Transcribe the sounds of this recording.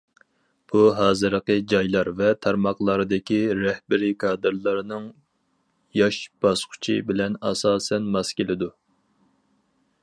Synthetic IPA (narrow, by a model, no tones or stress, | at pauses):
b̥uɦɑːzɨɾəqəd͡ʒɑjlˠɑɾvɛt̪ʰɑɾmɑχlˠɑɾɨd̪ɪkʲiɾɛhbɪɾɪkʰɑːd̪ɨɾlˠɑɾnɨŋ | jɑʃb̥ɑsqʰʊ̥t͡ʃʰḭbɪlɛnɑsɑːsɛnmɑskʲelɪd̪u